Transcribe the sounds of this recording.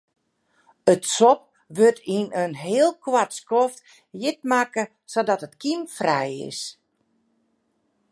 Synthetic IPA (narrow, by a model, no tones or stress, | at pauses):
ətsɔp̚ | ʋørtʰinənɦɪːəlˠkʰwatskɔft | jɪt̚makə | sodɔtətkimfrɛjɪ̰s